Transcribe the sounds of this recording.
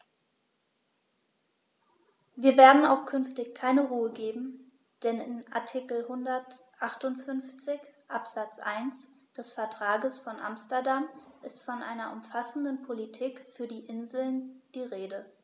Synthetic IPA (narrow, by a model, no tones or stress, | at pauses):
viːɐveːɐdn̩aʊxkʰʏnftɪçkʰaɪnəʁuːəɡeːbm̩ | d̥ɛnɪnʔa̰ɐtʰikl̩hʊndɐtʔaχtʊntfʏnft͡sɪçʔapz̥at͡sʔa̰ɪns | d̥ɛsfɛɐtʁ̥aːɡəsfɔnʔa̰mstɐɐdamʔɪstfɔnʔa̰ɪnɐʔʊmfasn̩dənpʰolitʰiːkfyːɐdiːʔɪnzl̩nd̥iːʁeːdə